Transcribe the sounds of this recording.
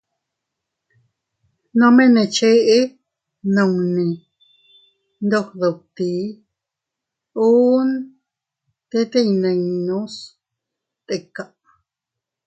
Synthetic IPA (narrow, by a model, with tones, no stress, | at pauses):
nõ˦mẽ˦nẽ˧˨t͡ʃe˦ʔe˦ | nõ˨˧˨ŋnĩ˨ | nd̪o˦˧hðo˨t̪i˨˦ | u˦n | t̪e˦t̪e˦˧i˧nã˧i˧nũ˦s | t̪e˨˧˨ka˨ʔ